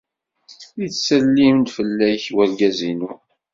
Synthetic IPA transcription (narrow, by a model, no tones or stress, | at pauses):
it͡ssəlːimnd̪fəlːæjçwælɡæzinu